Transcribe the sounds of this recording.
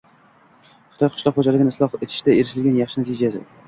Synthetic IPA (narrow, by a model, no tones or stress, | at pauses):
χɨ̥t̪ʰɒjqʰʊ̥ʃlˠɒqχod͡ʒalɪɡʲɪnɪslˠɒhet̪ʰɪ̥ʃt̪ae̞ɾɪʃɪlɡʲanjɑχʃɪnat̪ʰɪd͡ʒasɪ̰